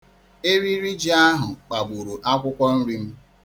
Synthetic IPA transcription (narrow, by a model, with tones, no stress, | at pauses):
e˦ɾi˦ɾi˦d͡ʒi˨˦a˦ɦʊ˨k͡pa˨ɡ͡bu˨ɾu˨ʔa˦kʷʊ˦kʷɔ˦n̩˦ɾi˦m̩˦